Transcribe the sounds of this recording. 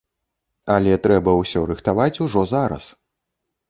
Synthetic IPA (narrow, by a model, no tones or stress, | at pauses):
ɐlʲɛt̪ɾɛbɐwsʲɔɾɨxt̪avat͡sʲuʐɔzaɾɐ̰s